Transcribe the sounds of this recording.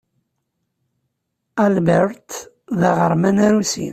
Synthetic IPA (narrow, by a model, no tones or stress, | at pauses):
ælbəɾt̪ | ðaʁəɾˤmænæɾusḭn